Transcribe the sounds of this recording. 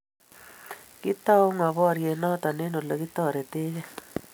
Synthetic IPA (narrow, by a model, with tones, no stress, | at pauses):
kɪ˦tɔ˦˨u˦ŋa˨βɔ˦˨ɾje˨nɔ˦t̪ɔ˨ne˦no˨lo˨kɪ˦t̪ɔ˦˨ɾe˨te˦d͡ʒɛ˦